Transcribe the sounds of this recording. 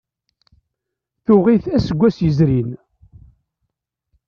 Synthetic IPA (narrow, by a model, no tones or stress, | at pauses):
θʊʁiθæsəɡʷːæsjəzɾin